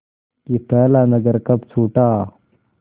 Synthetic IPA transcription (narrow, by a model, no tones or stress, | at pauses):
kit̪əlanəɡəɾkɐpt͡sʰuːʈa